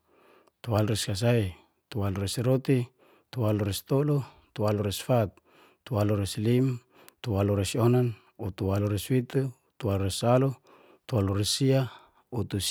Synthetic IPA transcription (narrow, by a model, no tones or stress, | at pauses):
t̪ualoɾeskas̬ai | t̪ualoɾesɾot̪i | t̪ualoɾest̪olo | t̪ualoɾesfat̪̚ː | ualoɾeslim | t̪ualoɾesonan | ut̪ualoɾeswit̪u | t̪ualoɾesalo | t̪ualoɾesia | ut̪us